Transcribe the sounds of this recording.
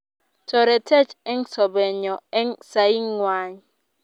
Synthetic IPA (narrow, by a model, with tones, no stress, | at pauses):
tɔ˨ɾɛ˨tʰɛ˦t͡ʃɛ˦ŋsɔ˨bɛ˨ɲɔ˨ɛ˦ŋsa˨i˦ŋːwa˦ɲ˨